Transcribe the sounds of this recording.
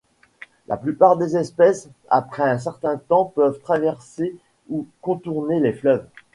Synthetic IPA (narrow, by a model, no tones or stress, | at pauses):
lʔa̰plypaʁd̪ezɛspɛsa̰pχɛɛ̃s̬ɛʁt̪ɛ̃t̪ɑ̃pœvt̪χavɛʁse | ukɔ̃t̪uʁneleflœv